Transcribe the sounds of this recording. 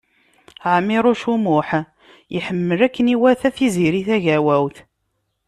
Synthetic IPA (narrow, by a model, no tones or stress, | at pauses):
ʕmːiɾˤʊʃumʊħ | jiħəmːəɾækːəniwæθæθiziɾiθæʝæwæwθ